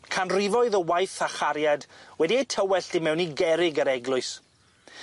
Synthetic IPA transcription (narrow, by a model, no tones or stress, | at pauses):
kʰanrɪvɔɨðəwajθaχaɾjadwɛdiejtʰəwɛɬd̥ɪmɛwniɡɛɾɪɡəɾɛɡlʊɨs